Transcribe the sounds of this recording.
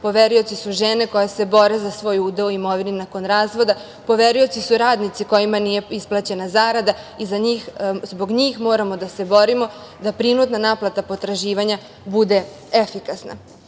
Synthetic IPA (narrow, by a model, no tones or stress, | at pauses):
po̞ʋeɾujo̞tsisuʒeneko̞jase̞bo̞ɾezasʋo̞ːjud̪euimo̞ʋininako̞nɾaːzʋo̞d̪a | po̞ʋeɾujo̞t̪sisuɾaːd̪nit̪siko̞jimanije̞isplˠat͡ɕe̞nazaːɾad̪aizaɲiːxzbo̞ɡɲixmo̞ːɾamo̞d̪ase̞bo̞ɾimo̞ | d̪apɾinut̪nanaːplˠat̪apo̞t̪ɾaʒiːʋaɲa | bud̪e̞ | efikasna̰